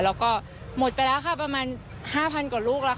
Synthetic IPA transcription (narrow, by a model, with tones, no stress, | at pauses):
lɛː˦˥wkɔː˥˩ | mo˨˩t̪̚pa˧jlɛː˦˥wkʰa˥˩pɾa˧maː˧n | haː˥˩pʰa˧nkaː˨˩luː˥˩k̚la˦˥